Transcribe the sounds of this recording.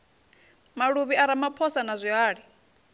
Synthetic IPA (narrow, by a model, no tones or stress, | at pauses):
maɺuβiaɾamapʰɔsanazʷiaːɺi